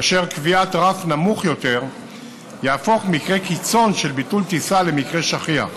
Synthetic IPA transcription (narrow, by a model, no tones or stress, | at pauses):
aʃe̞ʁkviat̪ʁafnamuχjo̞t̪e̞ʁ | jaːfo̞χmikʁe̞kit͡so̞nʃe̞lbitult̪isale̞mikʁe̞ʃaχia̰